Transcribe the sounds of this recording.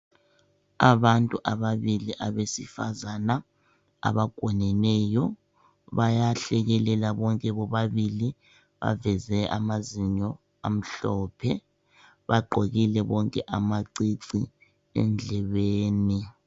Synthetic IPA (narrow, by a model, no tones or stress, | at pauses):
aβantʼuʔaβaβiliʔaβesifazana | a̰βaɡ̥ʱwɔnɛnɛjɔ | βajaɬɛɣɛlɛlaβɔŋkʼɛβɔβaβili | βa̰vɛzɛʔa̰maziɲɔ | a̰m̩ɬɔːpʰɛ | βaɡ͡ǃʱoɣilɛβɔŋkʼɛʔamaǀiǀi | ɛ̰nd͡ɮʱɛβeːni